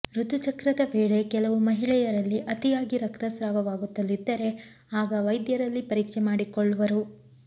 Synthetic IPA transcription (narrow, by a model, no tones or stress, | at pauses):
ɾut̪ut͡ʃɐkɾɐd̪ɐʋeːɭe̞kɛlɐʋumɐɦiɭɛjɐɾɐlːiʔɐt̪ijaːɡiɾɐkt̪ɐsɾaːʋɐʋaːɡut̪ːɐlːid̪ːɐɾe̞ | aːɡɐʋɐjd̪jɐɾɐlːipɐɾiːkʂemaːɽikɔɭːuʋɐɾu